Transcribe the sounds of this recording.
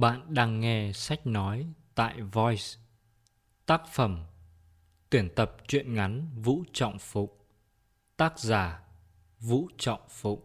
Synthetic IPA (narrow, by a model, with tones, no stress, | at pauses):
ɓa̰ː˧˨nɗaː˧ŋːɛ˧sa˦˥k̟̚nɔ˨˦jt̪a̰ː˧˨jvɔ˧˩js | t̪aː˦˥k̚fə˧˩m | t̪i˧˩ənt̪ə˨˩p̚t͡ɕwḭ˧˨ənŋa˨˦nvṵ˧˥t͡ɕɔ̰˧˨wŋ͡mfʊ̰˧˨ŋ͡m̚ | t̪aː˦˥k̚zaː˧˩ | vṵ˧˥t͡ɕɔ̰˧˨wŋ͡mfʊ̰˧˨ŋ͡m̚